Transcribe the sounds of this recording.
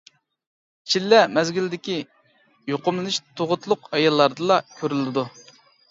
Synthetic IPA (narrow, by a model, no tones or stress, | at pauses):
t͡ʃʰilːɛmɛzɡʲyld̪ɪkʲi | joqʊmlɨnɨʃt̪ʰoʁʊt̪lˠʊqɑjɑlˠːɑɾd̪ɨlˠɑkʲʰøɾylɪd̪u